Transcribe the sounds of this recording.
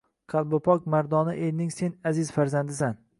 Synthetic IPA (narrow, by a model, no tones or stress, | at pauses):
qʰɑlˠbʊpʰɒk̚ʲmaɾd̪ɒnɪʔelnɪŋse̞nazɪz̥faɾzand̪ɪsan